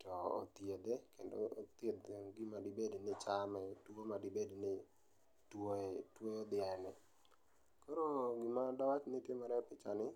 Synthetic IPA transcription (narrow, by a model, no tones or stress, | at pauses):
tɔo̰t̪jed̪ekendo̰ot̪jed̪ɡimadɪbednɪt͡ʃamɛtwomadɪbednɪ | twoetwood̪ɪɛnɛ | koɾoɡɪmadawat͡ʃnɪtjemaɾɛpɪt͡ʃanɪ